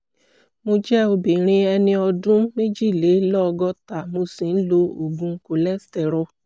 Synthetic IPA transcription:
mũ˧d͡ʒɛ˦o˧bi˨ɾĩ˧˦ɛ˧nɪ̃˧ɔ˧dʊ̃˦m̩˦me˦d͡ʒi˦˨le˨˦lɔ˦˧ɡɔ˦ta˨mu˧si˨n̩˦lo˧o˨ɡ͡bũ˧ŋ̩˨˦ko˨lɛ˦stɛ˨ɾʊ˧

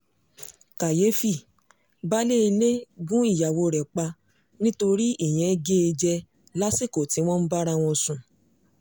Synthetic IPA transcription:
ka˨je˨˦fi˦˨ | ba˦le˦i˧le˦ɡũ˦i˦˨ja˨wo˧ɾɛ˨k͡pa˧ | nĩ˦to˧ɾi˦ʔe˦˨j̃ɛ̃˨˧ɡe˦e˧d͡ʒɛ˧ | la˦si˦˨ko˨ti˨˦w̃ɔ̃˦n̩˦ba˦ɾa˧w̃ɔ̃˧sũ˨

